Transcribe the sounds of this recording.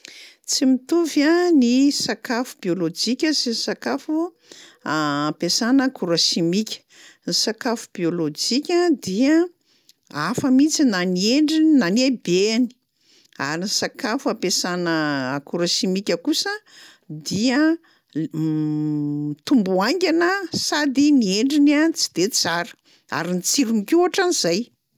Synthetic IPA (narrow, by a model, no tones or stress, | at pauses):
t͡simit̪uvjanisakafu̥biolod͡ʒikʲəsinisakafu | aapesanəkuɾaʃimikʲə̥ | nisakafu̥biolod͡ʒikʲəd̪iə | afəmit͡sinanieɳɖ͡ʐinanebeni̥ | a̰ɾinisakafuapesanəːkuɾoʃimikʲəkusə | d̪iə | t̪umbuaŋɡʲanəsad̪inieɳɖ͡ʐinat͡si̥d̪̥et͡saɾə̥ | a̰ɾinit͡siɾunikuaʈ͡ʂaniz̥aj